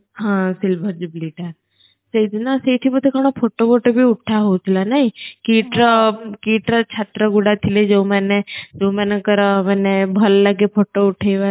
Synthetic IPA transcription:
ɦãsilbʱəɾd͡ʒibliʈa | sejd̪naseʈʰipəd̪ʰʱekaɽ̃opʰoʈopoʈobʱiuʈʰaɦowt̪ʰilanaikiʈɾəkiʈɾət͡ʃʰat̪ɾəɡuɽat̪ʰiled͡ʒoumaned͡ʒoũmanekəɾəmanebʱəlːaɡepʰoʈouʈʰejʋa

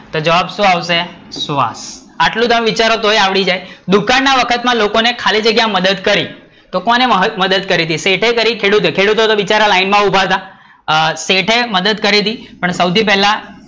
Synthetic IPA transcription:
t̪od͡ʒəʋabʃũaʋʃe | sʋa̰s | aʈlũt̪əmʋit͡ʃaɾot̪ojaʋɭid͡ʒajd̪ukanːaʋəkʰət̪mãlokonekʰalid͡ʒəɡjãməd̪əd̪kəɾi | t̪okoneməd̪əd̪̚kəɾit̪iseʈʰekəɾikʰeɽut̪okʰeɽut̪ot̪oʋit͡ʃaɾalainmãubʱat̪a | seʈʰeməd̪əd̪kəɾit̪ipəɳsəwt̪ʰipɛɦla

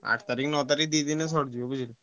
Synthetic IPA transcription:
a̰ʈʰt̪aɾikʰnɔt̪aɾik̚ʰd̪id̪ines̬ɔɽd͡ʒuobəd͡ʒil

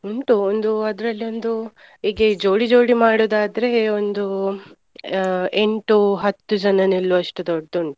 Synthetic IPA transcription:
uɳʈuond̪uɐd̪ɾɐlːio̞nd̪u | iːɡed͡ʒo̞ːɽid͡ʒo̞ːɽimaːɽoːd̪aːd̪ɐɾe̞ond̪u | e̞ɳʈuɦɐt̪ːud͡ʒɐnɐnilːuɐʂʈud̪ɔɖːuɳʈu

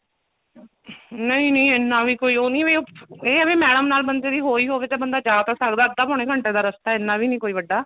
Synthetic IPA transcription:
nəĩːnəːɪnːãːʋiːkoːiːoːnĩːʋeːeːəʋeːmɛːɽəmnaːlbənd̪eːd̪iːɦoːiːɦoːʋeːt̪eːbənd̪aːd͡ʒaːt̪aːsəkd̪aːəb̚d̪aːpɔːɳ̃eːkʰəɳʈeːd̪aːɾəst̪aːɪnːãːbʱiːnĩːkoːiːʋəɖːaː

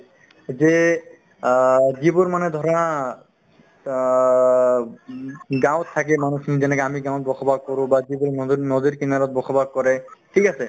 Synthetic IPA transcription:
ze | d͡ʒiboɾmaned̪ʱɔɾɔna | ɡãw̃t̪ʰːak̬emanusʰnid͡ʒɛnɛkamiɡãw̃t̪̚bɔkʰɔbaɡ̚kɔɾũbad͡ʒibuɾnɔd̪iɾkinaɾɔt̪̚bɔkʰɔbaɡ̚kɔɾeʈʰikasʰe

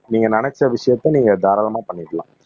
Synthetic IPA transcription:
niːŋɡɐnɐɳɛt͡ʃːɾɐʋɪʂɐjɐt̪ːɐ̃niːŋɡɐd̪aːɾɐlɐmaːpɐɳːɪʈːɐlãː

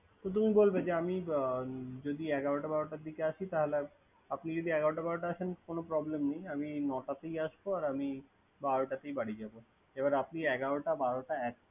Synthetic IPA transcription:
t̪ot̪̬umibolbed͡ʑeami | d͡ʑod̪iɛɡaɾoʈabaɾoʈaɾd̪ikeaʃit̪aɦole | apnid͡ʑod̪iɛɡaɾoʈabaɾoʈaaʃenkonopɾɔblemnejaminɔʈat̪ejaʃboaɾami | baɾoʈat̪ejbaɽid͡ʑabo | ebaɾapniɛɡaɾoʈabaɾoʈaɛk̚

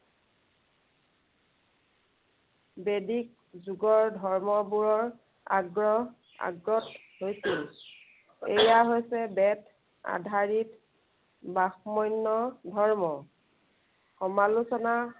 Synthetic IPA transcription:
bedik̚ | zuɡɔɹdʱɔɹmɔbuɹɔɹ | a̰ɡɹɔ | a̰ɡɹɔt | hojsil | ḛjaɦojsɛbɛt | a̰dʱaɹit | baxmɔjnːɔdʱɔɹmɔ | xɔmalusɔna

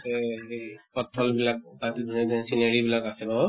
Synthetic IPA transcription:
e | pɔtʰːɔlbilak̚tatidʱuned̪ʱɔnsinaɹibilakasɛba

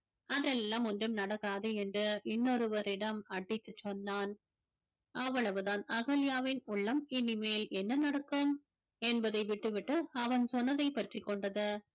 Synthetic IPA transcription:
ɐðɛlːaːmɔndrɯmnɐɽɐkːaːðeɛndrɯʔɪnːɔɾɯʋɐɾɪɽɐmɐʈːɪt̪ːɯt͡ʃːɔnːaːn | ʔɐʋːɐɭɐʋɯðaːnɐɣɐlɪjaːʋɪnʊɭːɐmɪnɪmeːlɛnːɐnɐɽɐkːɯm | ɛnbɐðɐɪʋɪʈːɯʋɪʈːɯɐʋɐnsɔnːɐðɐɪpːɐʈrikːɔɳɖɐðɯ

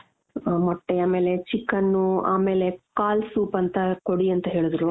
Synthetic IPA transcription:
mɐʈːeaːme̞ːlet͡ʃikːɐnːua̰ːme̞ːle̞kaːlsuːpɐnt̪ɐkoɽiɐnt̪ɐɦeːɭid̪ɾu

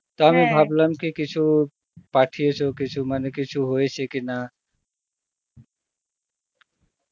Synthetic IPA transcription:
t̪oamibʱabləmkikit͡ʃʰu | paʈʰijet͡ʃʰokit͡ʃʰumanekɪt͡ʃʰuɦoet͡ʃʰekina

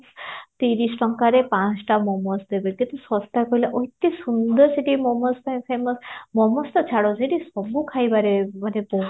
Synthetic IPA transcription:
t̪iɾisʈɔŋkaɾepãt͡sʈamɔmɔsd̪ebelkĩt̪usɔst̪ːakɔjlaʔoit̪ːesund̪əɾseʈimɔmɔst̪aj̃fʰemɔsmɔmɔst̪ɔt͡ʃʰaɽoseʈisɔbukʰajbaɾemanepo

